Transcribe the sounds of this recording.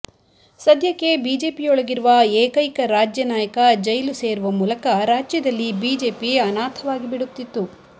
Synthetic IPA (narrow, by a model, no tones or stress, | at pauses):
sɐd̪jɐkːe̞biːd͡ʒe̞ːpijɔɭɐɡiɾuʋɐeːkɐjkɐɾaːd͡ʒjɐnaːjɐkɐd͡ʒɐjluse̞ːɾuʋɐmuːlɐkɐɾaːd͡ʒjɐd̪ɐlːibiːd͡ʒe̞ːpiɐnaːt̪ʰɐʋaːɡibiɽut̪ːit̪ːu